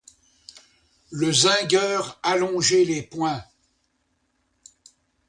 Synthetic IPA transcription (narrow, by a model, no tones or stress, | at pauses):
ləzɛ̃ɡʲœːʁalɔ̃ʒɛlepwɛ̃